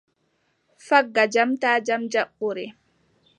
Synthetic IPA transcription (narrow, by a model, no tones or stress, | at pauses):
faɡːad͡ʒamtaːd͡ʒamd͡ʒaɓːɔɾɛ